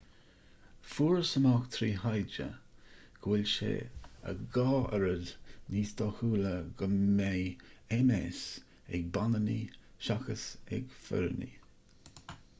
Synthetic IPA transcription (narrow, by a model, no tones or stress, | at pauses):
fuːɹəsəmɑxt̪ʰɾiːhajd͡ʒə̰ | ɡ̥wɪlʲʃḛə̰ɡɑːɛɾədniːst̪ɑːhuːləɡəmːejɛmɛs | ɛɡ̚banəniʃaxəsɛ̰ɡfɛ̰ɾənḭ